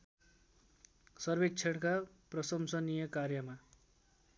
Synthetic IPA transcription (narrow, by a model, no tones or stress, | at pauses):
sʌrbek̚t͡sʰeɽka | prʌsʌmsʌnijʌkarjʌma